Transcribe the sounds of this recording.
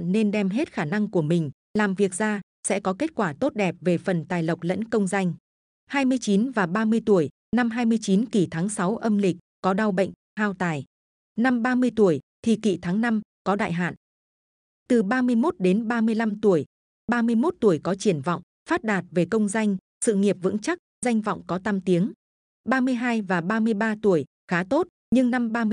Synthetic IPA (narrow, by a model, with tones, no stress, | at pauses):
nne˧nɗɛ˧mɦe˦˥t̚xaː˧˩na˧ŋku˧˩əmï˨˩ŋ̟ | laː˨˩mvi˨˩ək̚zaː˧ | sɛ̰˧˥kɔ˨˦ke˦˥t̚kwaː˧˩t̪o˦˥t̚ɗɛ˨˩p̚ve˨˩fə˨˩nt̪aː˨˩jlə˨˩wk͡p̚lə̰˧˥nkə˧wŋ͡mza˧jŋ̟ | haː˧jmɨ˧əjt͡ɕi˨˦nvaː˨˩ɓaː˧mɨ˧əjt̪u˧˩əj | na˧mɦaː˧jmɨ˧əjt͡ɕi˨˦nki˧˩t̪ʰaː˨˦ŋsa˨˦wʔə˧mlï˨˩k̟̚kɔ˨˦ɗa˧wɓə̰˧˨jŋ̟ | haː˧wt̪aː˨˩j | na˧mɓaː˧mɨ˧əjt̪u˧˩əjt̪ʰi˨˩kḭ˧˩t̪ʰaː˨˦ŋna˧mkɔ˨˦ɗa̰ː˧˨jɦa̰ː˧˨n | t̪ɨ˨˩ɓaː˧mɨ˧əjmo˦˥t̚ɗe˨˦nɓaː˧mɨ˧əjla˧mt̪u˧˩əj | ɓaː˧mɨ˧əjmo˦˥t̚t̪u˧˩əjkɔ˨˦t͡ɕi˧˩ənva̰˧˨wŋ͡m | faː˦˥t̚ɗaː˨˩t̚ve˨˩kə˧wŋ͡mza˧jŋ̟ | sɨ̰˧˨ŋi˨˩əp̚vɨ̰˧˥ŋt͡ɕa˦˥k̚za˧jŋ̟vɔ̰˧˨wŋ͡mkɔ˨˦t̪a˧mt̪i˨˦əŋ | ɓaː˧mɨ˧əjɦaː˧jvaː˨˩ɓaː˧mɨ˧əjɓaː˧t̪u˧˩əj | xaː˨˦t̪o˦˥t̚ | ɲɨ˧ŋna˧mɓaː˧